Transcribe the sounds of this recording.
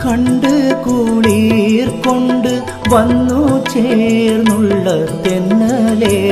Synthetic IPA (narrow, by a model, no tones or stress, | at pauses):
kɐɳɖɨkuːɭirkoɳɖɨ | ʋɐnːut͡ɕeːrnuɭːɐt̪enːɐle